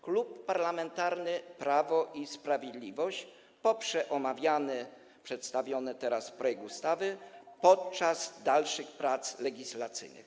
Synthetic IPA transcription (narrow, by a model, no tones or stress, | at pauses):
klupːaɾlamɛnt̪aɾnɘpɾavɔʔispɾavʲjɛd̪lʲivɔɕt͡ɕ | pɔpʂɛʔɔmavʲjanɛ | pʂɛt̪st̪avʲjɔnɛt̪ɛɾasfpɾɔjɛɡ̚k̪ust̪avɘpɔt̪̚t͡ʂaz̥d̪alʂɘxpɾat̪slɛɡʲislat̪sɘ̰jnɨ̰x